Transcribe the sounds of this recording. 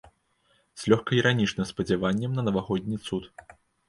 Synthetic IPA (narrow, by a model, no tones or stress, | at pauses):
sʲlʲɔxkɐiɾanʲit͡ʂnɨmspɐd͡zʲɛvanʲːɛmnɐnɐvaɣɔd̪̚ʲnʲit̪sut̪